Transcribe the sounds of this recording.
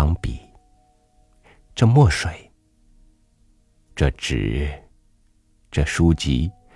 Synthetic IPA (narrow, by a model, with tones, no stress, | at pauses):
ɑ˧˥ŋpḭ˨˩˦ | ʈ͡ʂɤ˥˧mwɔ˥˩ʂwe˨˩˦ɪ | ʈ͡ʂɤ˥˩ʈ͡ʂɻ̩˨˩˦ | ʈ͡ʂɤ˥˩ʂu˥t͡ɕḭ˧˥